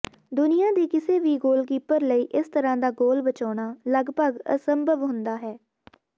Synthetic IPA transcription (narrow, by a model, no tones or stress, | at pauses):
d̪ʊnɪjãːd̪iːkɪseːʋiːɡoːlkiːpəɾləiːʔɪst̪əɾãːd̪aːɡoːlbət͡ʃaːɽ̃aːləɡpəɡə̰səmbəʋɦʊ̃nd̪aːɦɛː